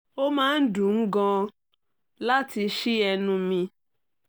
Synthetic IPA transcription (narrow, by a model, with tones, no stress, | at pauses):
o˦mãː˦n̩˦dũ˨ŋ̩˦ɡɔ̃˧ | la˦ti˧ʃi˦ɛ˧nũ˧mĩ˧